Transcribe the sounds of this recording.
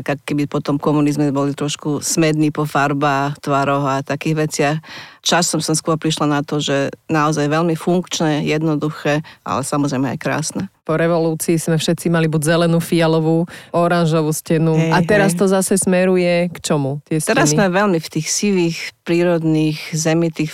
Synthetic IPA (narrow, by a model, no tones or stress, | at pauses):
akakɔkɛbipɔt̪ɔmkɔmunizmɛbɔlit̪ɾɔʃkusmɛd̪niːpɔfaɾbaxt̪ʋaɾɔɣat̪akiːɣʋɛt͡sɪaxt͡ʃasɔmsɔmskʊɔɾpɾiʃlanat̪ɔʒɛnaɔzajʋɛlmifuŋkt͡ʃnɛjɛd̪nɔd̪uxɛːʔa̰lɛsamɔzɾɛjmɛa̰jkɾa̰ːsnɛpɔɾɛʋɔluːt͡siːzmɛfʃɛt̪t͡simalibuɟzɛlɛnufialɔʋuɔɾanʒɔʋuːscɛnuat̪ɛɾast̪ɔzasɛsmɛɾujɛkt͡ʃɔmut̪ɪɛsɛɾazːimɛʋɛlmift̪iːxsiʋiːxpɾiːɾɔd̪niːxzɛmit̪iːx